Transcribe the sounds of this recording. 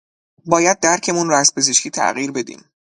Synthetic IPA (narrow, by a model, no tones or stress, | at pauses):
bɒːjæd̪̚ːæɾcʰe̞munɾɒæspʰe̞zeʃkʰiːt̪ʰæ̰ɣiːɾbe̞d̪ḭːm